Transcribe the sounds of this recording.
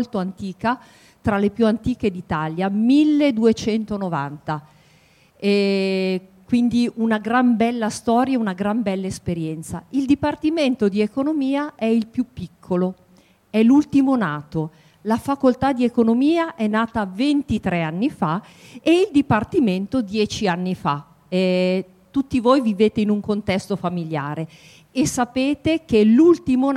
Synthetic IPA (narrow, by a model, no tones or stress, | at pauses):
lt̪oant̪iːka | t̪ɾalːepjuant̪iːk̟ed̪it̪aljamilːed̪uet͡ʃɛnt̪onova̰nt̪a | ɛ | kwind̪iʔunaɡɾambɛlːast̪ɔːɾjaunaɡɾambɛlːaespeɾjɛnt̪saild̪ipart̪iment̪od̪iekonomiːaʔɛilpjupːikʰːolo | ɛlult̪imonaːt̪o | lafakolt̪ad̪iekonomiːaʔɛnːaːt̪avent̪it̪ɾeanːifa | eild̪ipart̪iment̪od̪jɛːt͡ʃianːifa | ɛ | t̪ut̪ːivojviveːt̪einuŋkont̪ɛst̪ofamilja̰ːɾe | esːapeːt̪ek̟elult̪imo